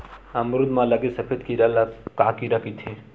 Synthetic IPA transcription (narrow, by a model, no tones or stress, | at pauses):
ɐmɾud̪mãlɐɡisɐpʰet̪kiɾɐlakaːkiɾɐkit̪ʰi